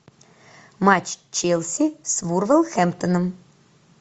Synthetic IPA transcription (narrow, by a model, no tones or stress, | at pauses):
mat͡ʃt͡ʃelʲˠsʲisvurvəlˠxɛmpt̪ənə̆m